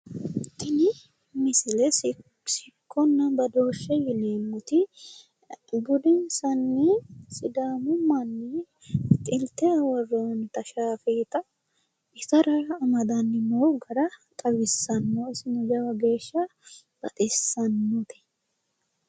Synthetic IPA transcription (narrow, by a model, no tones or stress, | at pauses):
t̪ɪnɪ | mɪsɪlɛ | sɪkʰːɔnːɐbɐd̪o̞ːʃːɛjɪneːmːʊt̪ɪ | ɡʊd̪ɪnsɐnːɪsɪd̪aːmʊmːɐnːɪ | t̪ʼɪlt̪ɛwɐrːoːnt̪ɐʃaːfeːt̪ɐ | ɪsɐɾɐɾɐːmɐd̪ɐnːɪmoːɡɐɾɐk̪ʼɐbɪsːɐnːoɪsɪnʊd͡ʒɐwɐɡe̞ːʃːɐ | b̥ɐ̰t̪ʼɛsːɐnːɔt̪ɛ̥